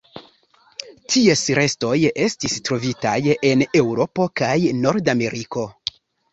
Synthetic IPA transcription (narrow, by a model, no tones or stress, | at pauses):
tʰiesɾe̞sto̞je̞stistɾo̞vita̰je̞ne̞wɾo̞po̞kajno̞ɾdame̞ɾʔiko̞